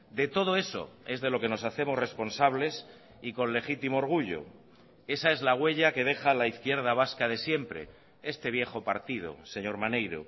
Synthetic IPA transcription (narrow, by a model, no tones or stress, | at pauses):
d̪e̞t̪o̞ð̞o̞e̞so̞̰e̞zðe̞lo̞ke̞no̞saθe̞mo̞zre̞spo̞nsaβ̞le̞s | iko̞nle̞xit̪imooɾɣ̞uʝo̰ | e̞sae̞zlaɣ̞we̞ʎake̞ð̞e̞xalaiθkje̞ɾð̞aβ̞askaðe̞sje̞mpɾe̞̰ | e̞st̪e̞βje̞xo̞paɾt̪ið̞o̞̰se̞ɲo̞ɾmanejɾo̰